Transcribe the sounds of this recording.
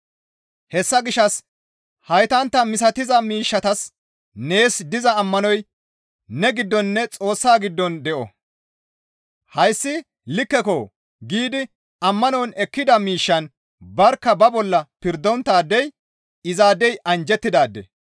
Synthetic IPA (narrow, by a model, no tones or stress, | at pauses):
hɛsːɐɡɪʃːɐs | hɐjt̪ɐnt̪ːɐmɪs̬ɐt̪ɪzɐmiːʃːɐt̪ɐs | ne̞ːsd̪ɪzɐːmːɐnɔj | nɛɡɪd̪ːɔnːɛt͡sʼo̞ːsːaːɡɪd̪ːɔnd̪ɛʔɔ̰ | hɐjsːɪ | lɪkːɛko | ɡiːd̪ɪ | ɐmːɐnɔnɛkːɪd̪ɐmiːʃːɐn | bɐɾkːɐbɐbɔlːɐpɪɾd̪ːɔnt̪ːaːd̪ːɛj | ɪzaːd̪ɛjʔɐnd͡ʒɛt̪ːɪd̪aːd̪ːɛ̰